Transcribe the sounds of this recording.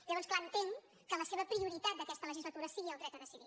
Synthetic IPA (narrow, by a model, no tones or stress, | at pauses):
ʎəβɔnsklaənt̪eŋ | kələseβ̞əpɾiuɾit̪at̪̚d̪əkɛst̪ələʒizlət̪uɾəsiɣiəlˠd̪ɾɛk̚t̪əðəsiði